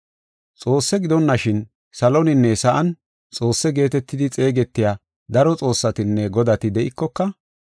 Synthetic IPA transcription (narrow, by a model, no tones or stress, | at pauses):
t͡sʼo̞ːsːɛɡɪd̪ɔnːɐʃɪn | sɐlɔnɪnːɛsɐʔɐn | t͡sʼo̞ːsːɛɡe̞ːt̪ɛt̪ːɪd̪ɪt͡sʼe̞ːɡɛt̪ːɪjaː | d̪ɐɾɔt͡sʼo̞ːsːɐt̪ɪnːɛɡɔd̪ɐt̪ɪd̪ɛʔɪkːɔkːɐ